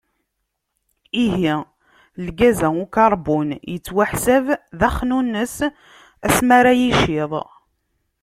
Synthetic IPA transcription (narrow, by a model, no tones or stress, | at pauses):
iɦi | lɡæzæukɑɾˤbunjət͡sːwæħsævðæχnunːəs | æsmaɾajiʃɪðˤ